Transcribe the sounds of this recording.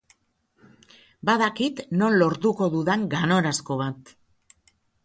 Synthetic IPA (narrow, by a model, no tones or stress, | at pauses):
baðakit̪no̞nlo̞ɾt̪uko̞ðuðeŋɡano̞ɾasko̞β̞at̪